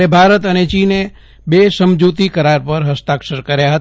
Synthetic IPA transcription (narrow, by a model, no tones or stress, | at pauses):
ebʱaɾət̪ənet͡ʃine | besəmd͡ʒut̪ikəɾaɾpəɾɦəst̪akʃəɾkəɾjaɦət̪